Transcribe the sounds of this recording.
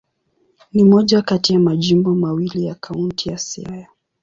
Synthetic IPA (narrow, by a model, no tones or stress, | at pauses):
nimɔʄakatijamaʄimbɔmawilijakʰauntijasɛ̰aja